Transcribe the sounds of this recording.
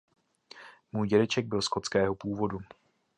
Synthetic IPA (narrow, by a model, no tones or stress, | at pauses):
muːjɟɛdɛt͡ʃɛɡ̚bɪlsko̞t͡skɛːɦopuːvo̞du